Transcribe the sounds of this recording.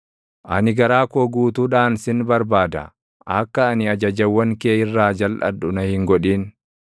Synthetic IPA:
ʔɐnɪɡɐɾaːkoːɡuːt̪uːᶑaːnsɪnbɐɾbaːd̪ɐ̰ | ɐkːɐːnɪɐd͡ʒɐd͡ʒɐwːɐŋkeːɪrːaːd͡ʒɐlʔɐ̰dʊnɐhɪŋɡɔᶑiːn

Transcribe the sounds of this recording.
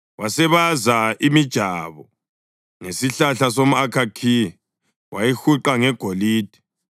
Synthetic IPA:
wasɛβazaimid̥ʒ̥ʱaβɔ | ŋesiɬaɬasomuakʰakʰii | wʔajixuǃaŋɛɡ̥ʱoliːd̥ʱi̥

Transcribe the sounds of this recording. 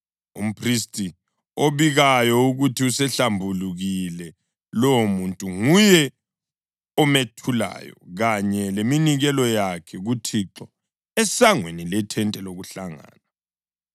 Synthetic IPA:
ṵm̩pʰristʼi | oβiɣajɔuɣutʰiusɛɬambʱuluɣilɛ | lɔmuntʼuŋujɛ | ɔmetʰula̰ːjɔ̰ɣaɲɛleminiɣɛlɔjakʰɛɣutʰiǁɔ | ɛsaŋwenilɛtʰɛntʼɛloɣuɬaŋa̰ːna

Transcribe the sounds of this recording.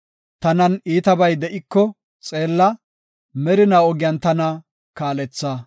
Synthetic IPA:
t̪ɐnɐniːt̪ɐbɐjd̪ɛʔɪkːɔ | t͡sʼe̞ːlːɐ | mɛɾɪnaɔɡɪjɐnt̪ɐnɐ | kaːlɛt͡sːɐ

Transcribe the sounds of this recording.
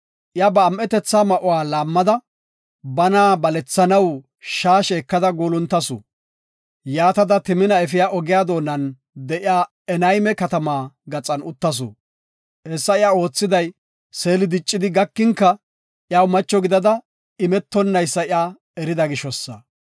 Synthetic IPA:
ʔɪjabɐːmʔɛt̪ɛt͡sːaːmɐʔɔwaːlaːmːɐd̪ɐ | bɐnaːbɐlɛt͡sːɐnɐw | ʃaːʃɛːkːɐd̪ɐɡoːlʊnt̪ːɐsʊ̰ | jaːt̪ɐd̪ɐt̪ɪmɪnɐɛfɪjaːʔɔɡɪjaːd̪o̞ːnɐn | d̪ɛʔɪjaː | ɛnɐjmɛkɐt̪ɐmaːɡɐt͡sʼɐnʊt̪ːɐs̬ʊ̰ | hɛsːɐɪjao̞ːt͡sːɪd̪ɐj | se̞ːlɪd̪ɪt͡ʃʼːɪd̪ɪɡɐkːɪŋkːɐ | ʔjaːwmɐt͡ʃːɔɡɪd̪ɐd̪ɐ | ɪmɛt̪ːɔnːɐjsːɐɪjaː | ɛɾɪd̪ɐɡɪʃɔsːɐ̰

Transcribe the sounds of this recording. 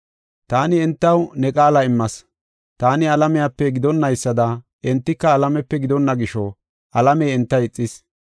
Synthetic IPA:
t̪aːnɪɛnt̪ːɐwnɛkʼaːlɐɪmːɐs | t̪aːnɪɐlɐmɛjapːɛɡɪd̪ɔnːɐjsːɐd̪ɐ | ʔɛnt̪ːɪkːɐːlɐmɛpːɛɡɪd̪ɔnːɐɡɪʃɔ | ʔɐlɐmɛːɛnt̪ːɐjɪt͡sʼːɪs

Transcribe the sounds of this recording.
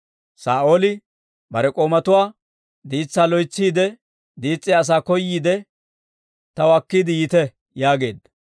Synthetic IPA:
saːʔo̞ːlɪ | bɐɾɛkʼo̞ːmɐt̪ʊwaː | d̪iːt͡sːaːlɔjt͡sːiːd̪ɛ | d̪iːt͡sʼːɪjːs̬aːkɔjːiːd̪ɛ | t̪ɐwɐkːiːd̪ɪjɪt̪ɛ | jaːɡe̞ːd̪ːɐ

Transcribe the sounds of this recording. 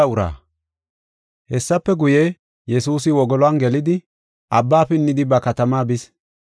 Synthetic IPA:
ɐʊɾa̰ː | hɛsːɐpːɛɡʊje | jɛsuːsɪwɔɡɔlɔɐnɡɛlɪd̪ɪ | ʔɐbːaːfɪnːɪd̪ɪbɐkɐt̪ɐmaːbɪs

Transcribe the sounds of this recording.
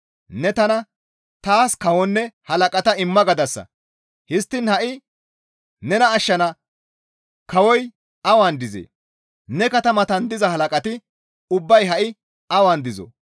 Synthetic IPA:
nɛt̪ɐnɐ | t̪aːskɐwɔnːɛhɐlɐkʼɐt̪ɐɪmːɐɡɐd̪ɐsːɐ̰ | hɪst̪ːɪnhɐʔɪ | nɛnɐːʃːɐnɐ | kɐwɔj | ɐwand̪ɪzḛː | nɛkɐt̪ɐmɐt̪ɐnd̪ɪzɐhɐlɐkʼɐt̪ɪ | ʊbːɐjɦɐʔɪ | ɐwaːnd̪ɪzɔ̰

